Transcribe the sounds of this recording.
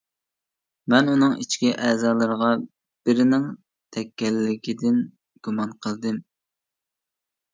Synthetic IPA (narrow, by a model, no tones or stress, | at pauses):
mɛnunɨŋit͡ʃkʲiʔɛːzɑːlˠəɾəʁɑ | b̥ɪɾɪnɪŋ | t̪ʰɛkʲːɛlːɪkʲid̪ɪn | ɡ̥umɑnqʰəlˠd̪ɨm